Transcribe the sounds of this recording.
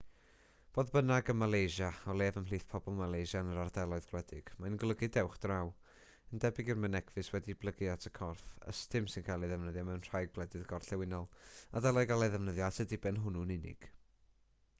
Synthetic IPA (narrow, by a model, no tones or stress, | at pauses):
b̥oːðbənaɡəmalˠejʒaɔlˠeːvəmliːθpʰɔbɔlˠmalˠejʒanəɾardɛlˠɔɨðɡ̥lwɛdɪɡ̥majnɡlˠəɡɨdɛwχd̥raw | əndɛbɪɡɪrmənɛkʰvɨswɛdiblˠəɡɨatʰəkʰɔrθə̰stʰɨmsɪnkʰalˠiðɛvnəðjamɛwnr̥ajɡ̚blˠɛdɨðɡɔrɬɛwɪnɔlˠadɛlˠɔɨɡalˠajðɛvnəðjaatʰədɪbɛnɦʊnunɪnɪ̰ɡ̥